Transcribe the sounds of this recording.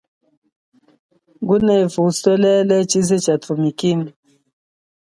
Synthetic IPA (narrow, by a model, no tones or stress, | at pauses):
ɡunɛvusɛlɛlɛt͡ʃizet͡ʃatumikim